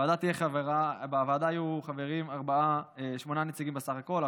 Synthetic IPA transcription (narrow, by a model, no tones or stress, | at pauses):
ad̪at̪ieχaveʁabeavaːd̪aːjuχave̞ʁimaʁbaaeʃmo̞nanet͡siɡimbesaχako̞la